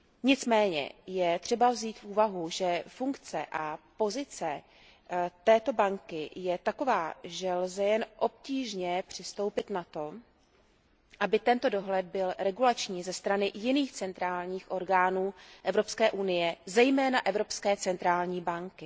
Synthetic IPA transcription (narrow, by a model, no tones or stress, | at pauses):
ɲɪt͡smɛːɲɛ̰jɛt̪r̥ɛbavziːt̪fʔuːvaɦuʒɛfuŋkt͡sɛ̰ʔapo̞zɪt͡sɛ | t̪ɛːt̪o̞baŋkɪjɛt̪ako̞vaːʒɛlzɛjɛnʔo̞p̚ciːʒɲɛpr̝̥ɪst̪o̞wpɪt̪nat̪o̞ | ʔabɪt̪ɛnt̪o̞do̞ɦlɛd̪̚bɪlɾɛɡulat͡ʃɲiːzɛst̪ɾanɪjɪniːxt͡sɛnt̪ɾaːlɲiːxʔo̞ɾɡaːnuːʔɛvɾo̞pskɛːʔunɪjɛzɛjmɛːnaʔɛvɾo̞pskɛːt͡sɛnt̪ɾaːlɲiːbaŋkɪ